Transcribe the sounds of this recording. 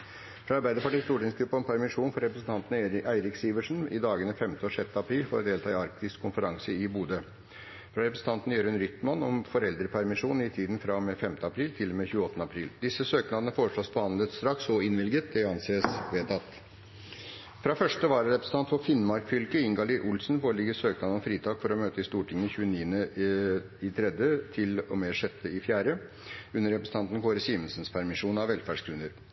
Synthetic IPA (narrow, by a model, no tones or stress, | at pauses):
fɾɑːɑɾbæɪd̪əpɑʈiːst̪uːʈɪŋskʰɾʉpːəɔmpʰæɾmɪʂuːnfɔɾɛpɾəsn̩t̪ʰɑnt̪n̩ʔæɪɾɪksiːʋəʂn̩ɪd̪ɑːɡənəfɛmt̪əɔʂɛt̪ːəɑpʰɾiːlfoːɾd̪eːlt̪ʰɑːɪɑɾk̚t̪ɪskkʰʊnfəɾɑŋsəɪbuːd̪ə | fɾɑɾɛpɾəsn̩t̪ɑnt̪n̩jøːɾʉnɾʏt̪mɑnɔmfɔɾɛld̪ɾəpʰæɾmɪʂuːnɪt̪ʰiːd̪nfɾɑmefɛmt̪əɑpʰɾiːlt̪ʰɪlɔmeːçʉːɔt̪ənəɑpʰɾiːld̪ɪsəsøːknɑːd̪ənəfoːɾəʂɭosbəhɑnlət̪st̪ɾɑksɔɪnʋɪlɡət̪̚d̪ɛɑnseːəsʋeːt̪ʰɑt̪ː | fɾɑfœʂʈəʋɑːɾəɾɛpɾsn̩ɑnt̪fɔfɪnmɑɾkfʏlkəɪŋɡɑliːɾʔʊlsnpoːɭlɪɡəsøːknɑd̪ɔnmfɾiːt̪ʰɑːɡfɔɾɔmøːt̪əɪst̪uːʈʰɪŋːəçʉːəniːənə | ɪt̪ʰɾɛd̪ət̪ʰɪlɔmeːʂɛt̪ʰːəɪfjæːɾə | ʉnːəɾɛpɾəsəɑnt̪n̩kʰoːɾəsiːmənsənspʰæɾmɪʂuːnɑʋʋɛlfæɖʂkʰɾʉnːəɾ